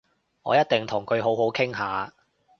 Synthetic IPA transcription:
ŋɔ̰ː˨˧jɐ˥t̚t̪ɪ˨ŋt̪ʰʊ˨˩ŋkʰɵ˨˧ɥɦo˨˥wɦo˨˥wkʰɪ˥ŋɦaː˨˧

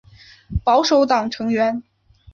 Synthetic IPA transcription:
pɑ˧˥ʊʂo˧˥ʊt̪ɑ˨˩ŋʈ͡ʂʰɤ˧˥ŋɥɛ˧˥n

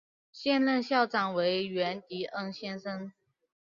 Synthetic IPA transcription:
ɕjɛ˥˧nlə˥˧nɕjɑ˥˩ʊʈ͡ʂɑ˨˩ŋwe˧˥ɪɥɛ˧˥nt̪i˧˥ʔə˥ŋɕjɛ˥nʂə˥ŋ

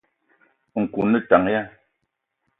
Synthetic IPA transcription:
ŋ̩˨ku˨nə˦˨ta˨ŋja˦

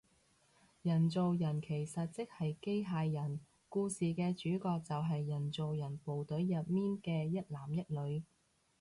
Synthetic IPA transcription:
jɐ˨˩nt͡so˨wjɐ˨˩nkʰe˨˩jsɐ˨t̚t͡sɪ˥k̚hɐ˨jke˥jɦaː˧jːɐ˨˩n | kuː˧siː˨kɛː˧t͡ʃyː˨˥kɔː˧k̚t͡sɐ˨wɦɐ˨jːɐ˨˩nt͡so˨wjɐ˨˩npo˨wt̪ɵ˨˥ɥjɐ˨p̚miː˥nkɛː˧jɐ˥t̚laː˨˩mjɐ˥t̚lɵ˨˧ɥ

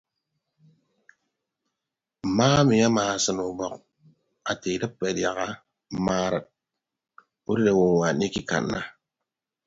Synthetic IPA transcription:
maː˦mi˨ja˦maː˨sə˨nu˨bɔ˨k | a˨te˨də˦pːe˨dja˨ɣa˦ | maː˨˦ɾə˨t̚ | u˦ɾɾe˨wo˨wa˨ni˦ki˦ka̰˨nːa̰˦

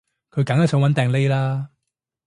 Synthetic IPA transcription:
kʰɵ˨˧ɥkɐ˨˥ŋjɐ˨˥sɔː˨˥wɐ˨˥nt̪ɛː˨ŋle˥jlaː˥

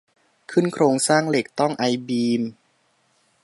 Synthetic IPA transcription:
kʰɯ˥˩nkʰɾoː˧ŋsaː˥˩ŋle˨˩k̚t̪ɔ˥˩ŋʔa˧jbiː˧m

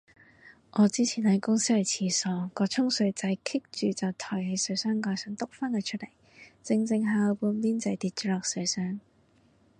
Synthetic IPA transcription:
ʔɔː˨˧t͡siː˥t͡sʰiː˨˩nhɐ˨˥jkʊ˥ŋsi˥hɐ˨˧˩t͡sʰiː˧˩sɔː˨˩kɔː˧t͡sʰʊ˥ŋsɵ˧ɥt͡sɐ˨˧˥jkʰɪ˥k̚t͡ʃyː˨t͡sɐ˨wt̪ʰɔː˨˩jhe˨˧jsɵ˨˧ɥsœː˥ŋkɔː˧jsœː˨˥ŋt̪ʊ˥k̚faː˥nhɐ˨˩t͡ʃʰɵ˥t̚le˨˩j | t͡sɪ˧ŋt͡sɪ˧ŋɦaː˧wpuː˧nliː˥nt͡sɐ˨˧˥jt̪iː˧t̚t͡ʃːlɔː˨˧k̚sɵ˨˧˥ɥsœː˥ŋ

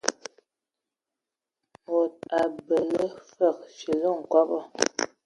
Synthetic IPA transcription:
mo˨t̚a˨bə˨lə˦fə˦˨k̚ʃə˨lə˦˨ŋ̩˨kɔ˦pɔ˦˨

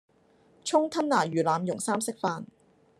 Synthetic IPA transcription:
t͡ʃʰʊ˥ŋt̪ʰɐ˥nːaː˨˩jyː˨˩laː˨˧mjʊ˨˩ŋsaː˥msɪ˥k̚faː˧n

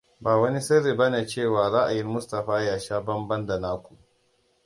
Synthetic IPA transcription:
baː˨wɐ˦ni˦sɐ˦ɾiː˨bɐ˦neː˨t͡ʃeː˦˨waː˨ɾa˦ʔa˨jɪ˦mmʊ˦stɐ˨ɸaː˦jaː˨ʃaː˦bɐ˦mbɐ˦nda˨naː˦kʷu˨ʔ

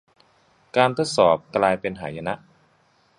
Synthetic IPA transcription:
kaː˧nt̪ʰo˦˥t̪̚sɔː˩˦p̚klaː˧jpe˧nɦaː˩˦ja˧na˦˥ʔ

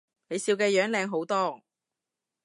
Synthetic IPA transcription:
ne˨˧jsiː˧wkɛː˧jœː˨˥ŋlɛː˨˧ŋɦo˨˥wt̪ɔː˥

